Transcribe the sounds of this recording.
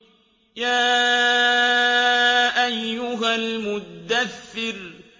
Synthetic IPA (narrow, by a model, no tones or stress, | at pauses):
jaː | ʔajːʊɦalmʊd̪aθːɪɾ